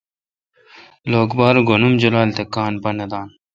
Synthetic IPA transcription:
loːkbɑːɾɡonumd͡ʑulaːlt̪ekːɑːnpɐnɐd̪ɑːn

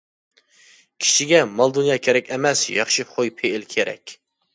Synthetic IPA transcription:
kʲʰi̥ʃiɡʲɛmɑlˠd̪unjɑːkʲʰeɾɛkʲɛmɛsjɑ̰χʃiχojpʰeɪlkʲʰeɾɛ̰kʲ

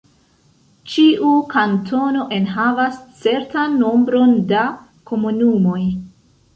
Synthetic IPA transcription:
t͡ʃiʔukantʰo̞no̞ʔe̞nɦavast͡se̞ɾtanːo̞mbɾo̞nda | kʰo̞munumo̞j

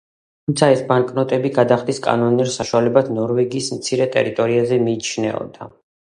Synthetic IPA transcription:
t̪ʰumt̪sʰaɛsbaŋkʼnɔt̪ʼɛbiɡad̪aχd̪iskʼa̰nɔniɾsaʃwalɛbad̪nɔɾvɛɡiːsmt̪sʰiɾɛt̪ʼɛ̰ɾit̪ʼɔɾiazɛmiːt͡ʃʰnɛ̰ɔ̰d̪a

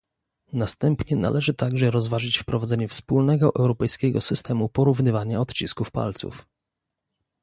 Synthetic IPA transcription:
nast̪ɛmpɲɛna̰lʔɛʐɘt̪aɡʐɛɾɔzvaʐɘt͡ɕfpɾɔvad̪zɛɲɛfspulnɛɡɔʔɛwɾɔpɛjskʲɛɡɔsɘst̪ɛmupɔɾuvnɘvaɲaɔt̪t͡ɕiskufpa̰lt̪sṵf

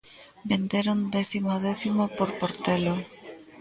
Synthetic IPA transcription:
bend̪eɾond̪eθimoðeθimopoɾpoɾt̪elo

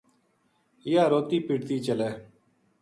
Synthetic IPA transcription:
jaːɾoːt̪iːpiɽt̪iːt͡ʃəleː

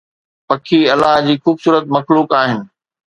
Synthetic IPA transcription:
pɐkʰiɐlaɦd͡ʑiːxuːbsuːɾət̪mɐxluːkaːɦɪnɪ̆

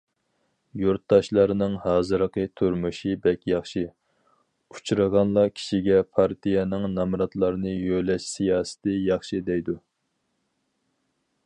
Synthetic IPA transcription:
juɾt̪ːɑʃlˠɑɾnɨŋhɑːzɨɾəqʰət̪ʰyɾmuʃibɛkʲjɑχʃi | ut͡ʃʰuɾəʁɑnlˠɑkʲʰi̥ʃiɡʲɛpʰɑɾt̪ʰijɛnɪŋnɑmɾɑt̪lˠɑɾɨnɨjølɛʃsijɑːsɪ̥t̪ɨjɑχʃid̪ɛjd̪u

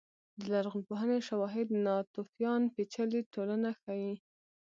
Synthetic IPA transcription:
d̪əlaɾɣʊnpoɦəneʃawɑɦɪd̪nɑt̪ofjɑnpet͡ʃəliʈolanaxaji

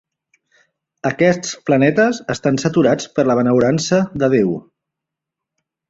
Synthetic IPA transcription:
əkɛst͡splənɛt̪əzəst̪ansət̪uɾat͡spəɾləβənəwɾansəðəð̞ew

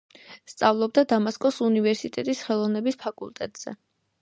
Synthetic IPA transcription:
st̪sʼavlˠɔb̚d̪ad̪amaskʼɔsunivɛɾsit̪ʼɛt̪ʼisχɛlˠɔvnɛbispʰakʼṵlˠt̪ʼɛt̪ʼz̥ɛ̰

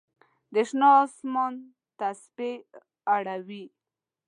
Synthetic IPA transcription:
d̪əʃnɑːsmon | t̪aspe | aɽawi

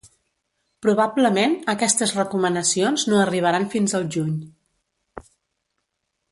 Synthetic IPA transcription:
pɾuβ̞abləmenəkɛst̪əzrəkumənəsionznoəriβ̞əɾanfinzəlˠʒuɲ

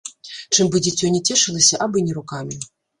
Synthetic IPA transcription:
t͡ʂɨmbɨd͡zʲit͡sʲɔjnʲɛt͡sʲɛʂɨlˠɐsʲɐʔabɨnʲɛɾukamʲi

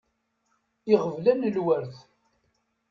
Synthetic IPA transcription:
iʁəvlænəlwəɾθ

